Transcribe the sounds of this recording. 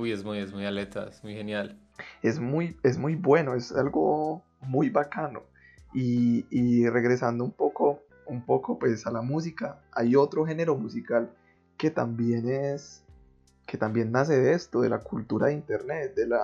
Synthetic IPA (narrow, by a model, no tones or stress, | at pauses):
ujezmujezmujalet̪aezmujhenjal | e̞zmuje̞zmujbwe̞no̞e̞salɡo̞ | mujbakano̞̰ | iː | re̞ɣɾe̞sand̪oumpo̞ko̞ | umpo̞ko̞pwe̞salamus̬ikaajo̞t̪ɾo̞xe̞ne̞ɾo̞musikal | ke̞t̪ambje̞nes | ke̞t̪ambje̞nːas̬e̞ðee̞st̪o̞ðe̞lakult̪uɾaðeint̪e̞ɾne̞t̪̚d̪e̞la